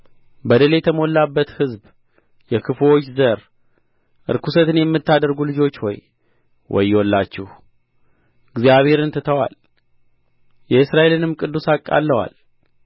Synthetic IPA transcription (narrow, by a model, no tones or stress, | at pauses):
bəd̪əle̞t̪ʰəmo̞lːabːət̪hɨzb | jɛkʰɨfo̞t͡ʃːzəɾ | ʔɨ̰ɾkʰusət̪ɨnjɛmːɨt̪ːad̪əɾɡulɨd͡ʒo̞t͡ʃːho̰j | wɔ̰jːwɔlːat͡ʃːɪh | ɨɡzijaβhe̞ɾɨnt̪ʰɨt̪ʰəwa̰l | jɛɨsɾaʔe̞lɨnɨmkʼɨd̪ːusakʼːa̰lːəwa̰l